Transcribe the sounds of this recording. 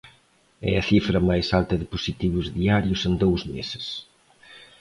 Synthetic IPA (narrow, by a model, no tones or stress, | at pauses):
ɛ̰ɐθifɾɐmajsalt̪ɐðɪposit̪iβ̞ʊzðiaɾjʊsend̪owzmesɪ̥s